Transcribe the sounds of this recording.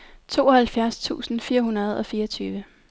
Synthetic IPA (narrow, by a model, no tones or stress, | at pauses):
t͡sʰo̝̰ːɒ̽hælfjæɐst͡sʰṵːsn̩fiːɐɦunɐð̞ˠɒ̽fiːɐʌt͡sʰyːʋə